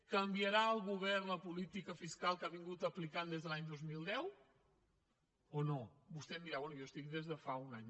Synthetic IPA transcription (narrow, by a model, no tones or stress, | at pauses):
kəmbjəɾaəlˠɣuβɛɾləpulit̪ikəfiskalˠkaβiŋɡut̪əplikand̪ezðəlaɲd̪ozmilˠd̪ɛw | onobust̪ɛnd̪iɾaβɛnujost̪ikd̪ezðəfaunaɲ